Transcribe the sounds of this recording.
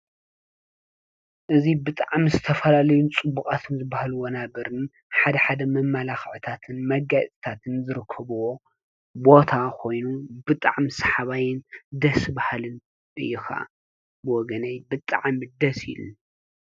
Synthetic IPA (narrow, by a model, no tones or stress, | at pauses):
ʔɨzibɨt̪ʼaʕmizɨt̪ʰɐfɐlalɐjunt͡sʼɨbːukʼat̪ʰɨnzɨbːahluwonabɐɾɨn | ħad̪ɐħad̪ɐmɐmːɐlaxʕt̪ʰat̪ʰɨnmɐɡasʼt̪ʰat̪ʰɨnzɨɾɨkʰːɐβuwo | bo̞t̪ʰakʰo̞jnubɨt̪ʼa̰ʕmisḁħaβajɪnd̪ɐsɨbahlɨn | ʔɨ̰jːɪxa̰ | bwɔɡɐnɐjbɨt̪ʼaʕmid̪ɐsḭlṵ